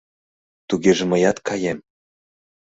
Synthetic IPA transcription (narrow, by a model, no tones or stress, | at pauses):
t̪uɣeʒĕmə̆jɑt̪kʰɑjem